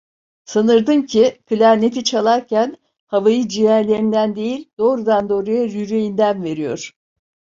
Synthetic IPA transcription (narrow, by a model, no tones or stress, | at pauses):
sanɯɾd̪ɯmcʰikʰɯlʲæɾne̞t̪ʰit͡ʃʰalˠaɾcʰæn | havajɯd͡ʒijæɾlʲe̞ɾind̪ænd̪e̞jilʲd̪o̞ːɾud̪and̪o̞ːɾajɯɾyɾejind̪ænve̞ɾijo̞̰ɾ̥